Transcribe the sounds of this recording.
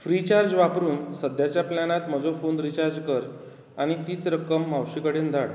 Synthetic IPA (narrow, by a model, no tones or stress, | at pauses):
fɾit͡ɕaɾd͡ʑʋapɾuːnsəd̪ʱjat͡ɕjaplanat̪m̤əd͡zofond̪ɾit͡ɕaɾd͡ʑkəɾ | aɽ̃it̪iːt͡sɾəkəmːawɕikəɽiːnd̪ʱaɽ